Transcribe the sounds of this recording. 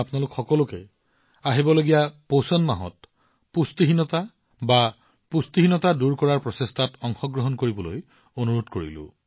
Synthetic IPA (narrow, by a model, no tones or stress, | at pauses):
apnalʊkxɔkɔlʊkɛ | aɦibɔloɡijaposɔnmaɦɔ̰t | pust̪iɦinɔta | ba | pust̪iɦinɔtaduɹkɔɹaɹpɹɔsestʰatɔŋxɔɡɹɔɦɔnkoɹibɔlo̰j | onuɹotkoɹḭlʊ̰